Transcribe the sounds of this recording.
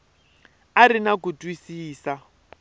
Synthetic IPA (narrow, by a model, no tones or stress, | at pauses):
aɾinakutʼwisiːsa